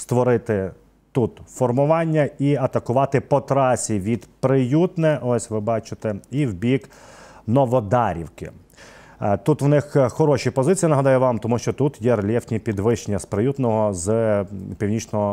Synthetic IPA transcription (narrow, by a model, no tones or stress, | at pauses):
st̪ʋɔɾɪt̪ɪ | t̪ut̪fɔrmʊʋɑnʲːɐiɐt̪ɐkʊʋɑt̪ɪpɔt̪ɾɑsʲiʋʲid̪pɾɪjut̪nɛʔɔsʲʋɪbɑt͡ʃɪt̪ɛiwbʲiknɔʋɔd̪ɑɾʲḭwkɪ̰ | t̪ut̪ʋnɪxxɔɾɔʃipɔzɪt͡sʲijinɐɦɐd̪ɑjʊʋɑmt̪ɔmuʃt͡ʃɔt̪ut̪jɛrlʲɛftʲnʲipʲid̪ʋɪʃt͡ʃenʲːɐspɾɪjut̪nɔɦɔzpʲiwnʲit͡ʃnɔɦɔ